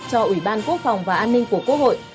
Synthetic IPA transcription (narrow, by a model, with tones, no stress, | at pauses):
t͡ɕɔ˧ʔwi˧˩ɓaː˧nku˦˥ək̚fa˨˩wŋ͡mvaː˨˩ʔaː˧nːï˧ŋ̟ku˧˩əku˦˥k̚ho̰˧˨jʔ